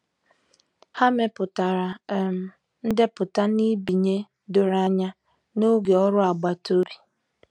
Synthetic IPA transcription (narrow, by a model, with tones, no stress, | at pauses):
ha˦me˨pʊ˨ta˨ɾa˨m̩˨ | n̩˦de˦pʊ˨ta˦ni˦bi˨ɲe˦ | dʊ˨ɾa˦ɲa˦ | no˦ɡe˨ɔ˦ɾʊ˦a˨ɡ͡ba˨to˦ɾi˨